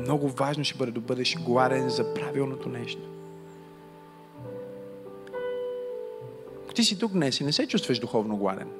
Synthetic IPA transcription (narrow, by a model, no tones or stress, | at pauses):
mnɔɡʊvaʒnoʃɛbɤd̪ɛd̪ɐbɤd̪ɛʃɡlˠad̪ɛnzɐpɾavilˠnot̪onɛʃt̪o̥ | ko̥t̪isit̪ukd̪nɛsinɛsɛt͡ʃust̪vɐʃd̪ʊxɔvnoɡlˠa̰d̪ɛ̰n